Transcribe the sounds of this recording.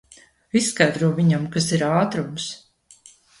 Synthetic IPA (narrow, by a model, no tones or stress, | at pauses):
isːkajd̪ɾuɔviɲamkasiɾaːt̪ɾums